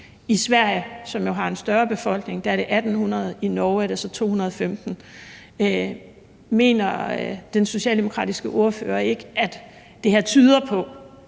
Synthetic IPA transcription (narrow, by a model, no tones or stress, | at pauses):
isʋæɐ̰jəsɒ̽mjo̝ɦɑ̈e̝nsd̥ɶɐb̥e̝fɒ̽l̰ɡ̥ne̝ŋd̥æɐɾ̥e̝ʔæd̥n̩hunɐð̞̩ˠinɒʊæɐɾesɒ̽t͡sʰo̝̰ːhunɐð̞ˠfemd̥n̩ | me̝̰ːnɐd̥enso̝ɕɛ̰ːld̥emo̝kʰʁɑ̰ːd̥isɡ̥əʔo̝ɐfø̰ːɐe̝ɡ̥əæd̥ | d̥e̝hæt͡sʰyːð̞ˠɐpʰɒ̽